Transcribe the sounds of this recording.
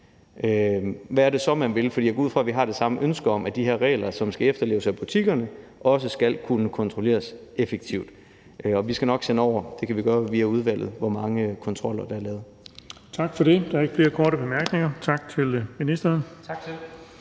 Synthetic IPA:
ʔøʋæːɐɾ̥e̝sɒ̽mænʋe̝lfɒdḭːjɐɡuð̰ˠfʁɑʋiɦɑ̈ɾ̥e̝sɑ̈məʔønsɡ̥ɐɒ̽mʔæd̥iɦe̝ɐʁɛ̰ːlɐsɒ̽msɡ̥æefd̥ɐle̝ːʊsæb̥ut͡sʰiɡ̥ɐnə | ʔɒ̽səsɡ̥ælkʰunəkʰɒ̽nt͡sʰʁole̝̰ːɐsefeɡ̥̚t͡sʰiʊ̰d̥ | ɒ̽ʋisɡ̥ænɒ̽ɡ̥senəɒʊ̰ɐd̥e̝kʰæʋiɡ̥ɶːɐʋiːæuð̞ˠʋæl̰ð̩ˠʋɒmɑ̈ŋəkʰɒ̽nt͡sʰʁɒ̽l̰ɐd̥ɑ̈æɐlɛːð̩ˠ | t͡sʰɑ̈ɡ̥fɒɾe̝d̥ɑ̈ɐeɡ̥fle̝ːɐkʰɒːɾəb̥emæɐɡ̥ne̝ŋɐt͡sʰɑ̈ɡ̥t͡sʰe̝lminisd̥ɐn̩ʰɡ̥

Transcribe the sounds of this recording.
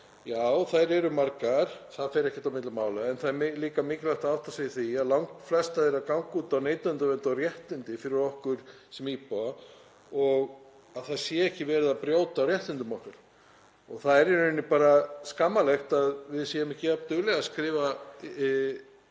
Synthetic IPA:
jaːwθaɾɛɾʏmaɾkaɾ̥θaðfeɛjɾɛhcːɪt̪awmɪt̪lʏmːaːwlaɛnθaðɛɾmɪliːkamɪːcɪlajxt̪aawt̪asɛjɪθiaðlawŋkflɛst̪aðeɾakawŋkuːt̪awneːjt̪ant̪ʏvɛnt̪awrjɛht̪ʏnt̪ɪfɪɾɪɾɔhkʏɾ̥ | sɛmiːpaa | ɔɣ | aðθaðsjɛɛhcɪvɛːɾɪðapɾjoːwt̪awrjɛht̪ʏnt̪ɪmɔhkaɾ̥ | ɔɣθaðɛɾɛnːnːɪpaːɾaskamːalɛxt̪aðvɪðsɛːjɪmɛhcɪat̪ʏɣlɛɣaskɾɪːva

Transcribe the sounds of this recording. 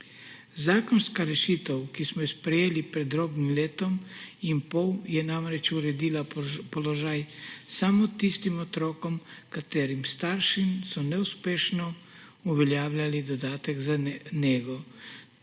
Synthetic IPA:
zaːkɔnskaɾɛʃiːt̪əwkismɔjɛspɾɛjeːlipɾɛd̪ɾoːbnimleːt̪ɔmimpɔwjɛnamɾɛt͡ʃuɾɛd̪iːlapɔlɔʒaːjsamɔt̪ist̪imɔt̪ɾoːkɔmkat̪eːɾimst̪aːɾʃimsɔnɛuspeːʃnɔ | uʋɛljaːwlʲalid̪ɔd̪aːt̪ɛɡzanɛɡɔ

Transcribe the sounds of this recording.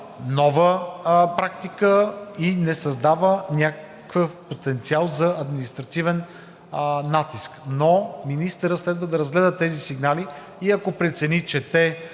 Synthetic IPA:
nɔvəpɾak̚t̪ikəinɛsɐzd̪avənʲak | kvəfpot̪ɛnt̪sialˠzɐɐd̪minist̪ɾɐt̪ivɛnː | at̪isknominist̪əɾət̪slɛd̪vəd̪ɐɾɐzɡlɛd̪ət̪ɛzisiɡnali | iɐkopɾɛt̪sɛnit͡ʃɛt̪ɛ

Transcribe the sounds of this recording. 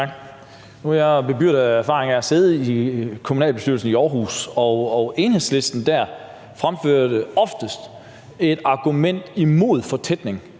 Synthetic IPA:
ɡ | nujab̥e̝byɐ̰d̥əæɐfɑ̈ːʁeŋɐæse̝ðˠikʰo̝munɛ̰ːlb̥esd̥yɐlsn̩iɒːɦṵːsɒɒe̝nhe̝ðˠsle̝sd̥n̩d̥æɐ | fʁamføɐ̰d̥əɒ̽fd̥əsd̥ | e̝d̥ɑ̈ɡ̥umen̰d̥imo̝ð̞̰ˠfɒ̽t͡sʰed̥ne̝ŋ

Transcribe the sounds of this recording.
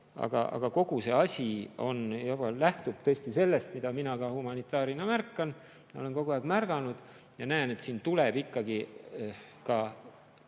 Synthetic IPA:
ɑ̰ɡ̥ɑ̰ʔɑ̰ɡ̥ɑko̞ɡ̥use̞ɑsʲio̞̰njɑbɑlæht̪ub̥̚t̪ɤesʲt̪ise̞lːe̞st̪mid̪̥ɑminɑɡ̥ɑhumɑnit̪ːˑɑːɾinɑmærkːɑn | jole̞nko̞ɡuɑɡ̥mærɡ̥ɑnud̪̥ | jɑnæene̞t̪siːnt̪uleb̥ikːɑɡi | kɑ

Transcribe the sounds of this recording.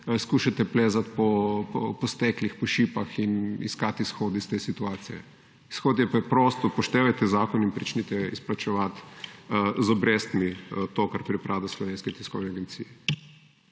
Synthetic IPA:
skuːʃat̪ɛpleːzat̪̚pɔpɔ̰pɔst̪ɛklixpɔʃiːpaxinḭskat̪isxoːd̪ist̪eːsit̪uaːt̪sijɛ̰ | isxoːd̪jɛpɾɛpɾoːst̪ɔpɔʃt̪eːʋajt̪ɛzaːkɔninpɾit͡ʃnit̪ɛisplat͡ʃɛʋat̪ | zɔbɾeːst̪mit̪oːkaɾpɾipɾʔaːwd̪aslɔʋeːnskɛt̪i̥skɔwnɛaɡɛnt̪sḭːjɛ

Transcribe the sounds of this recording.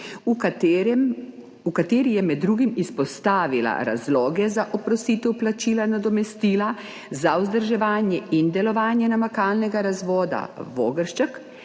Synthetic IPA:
ɾm | ukat̪eːɾijɛmɛd̪ːɾuːɡimispɔst̪aːʋila̰ɾa̰zlɔːɡɛzaʔɔpɾɔsiːt̪ɛwplat͡ʃiːlanad̪ɔmɛst̪iːla | zauzd̪əɾʒɛʋaːnjɛind̪ɛlɔʋaːnjɛnamakaːlnɛɡaɾazʋɔːd̪a̰ʋoːɡəɾʃt͡ʃək

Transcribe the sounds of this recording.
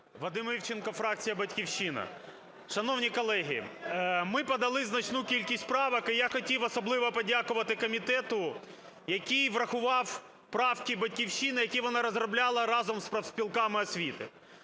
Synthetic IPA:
ʋɐd̪ɪmiwt͡ʃɪnkɔfɾɑk̚t͡sʲijɐbɐtʲkʲiwʃɪnɐ̰ | ʃɐnɔwnʲikɔlˠɛɦʲḭmɪpɔd̪ɐlˠɪznɐt͡ʃnukʲilʲkʲisʲt̪̚ʲpɾɑʋɐkɪjaxɔtʲiwɔsɔblˠɪʋɔpɔdʲakʊʋɐt̪ɪkɔmʲit̪ɛt̪ʊ | jɐkʲijʋrɐxʊʋɑw | pɾɑwkʲibɐtʲkʲiwʃinɪjɐkʲijʋɔnɑɾɔzrɔblʲɑlˠɐɾɑzɔmspɾɐwsʲpʲilˠkɑmɪɔsʲʋʲit̪ɪ̰

